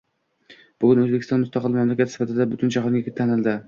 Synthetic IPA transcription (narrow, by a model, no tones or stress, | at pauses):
b̥ʊɡʲʊnɵzbekʲʰɪst̪ɒnmʊst̪ɑqɨlˠmamlakʲat̪sɪ̥fat̪ʰɪd̪abʊt̪ʊnt͡ʃʰɑɦnɡʲat̪ʰanɪld̪ɪ